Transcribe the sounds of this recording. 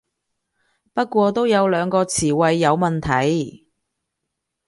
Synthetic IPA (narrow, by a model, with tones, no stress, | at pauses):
pɐ˥t̚kʷɔː˧t̪o˥wjɐ˨˧wlœː˨˧ŋkɔː˧t͡sʰiː˨˩wɐ˧jːɐ˨˧wmɐ˨nt̪ʰɐ˨j